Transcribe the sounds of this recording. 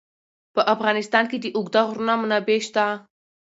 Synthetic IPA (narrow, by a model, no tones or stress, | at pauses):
pəʔafɣɑnɪst̪ɑnked̪əʔʊɡd̪aɣɾnamnabeʃt̪a